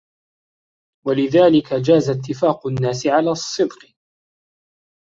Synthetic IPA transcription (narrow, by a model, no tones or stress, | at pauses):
walɪðaːlɪkad͡ʒaːzat̪ːɪfaːqʊnːaːsɪʕalaːsˤːɨd̪q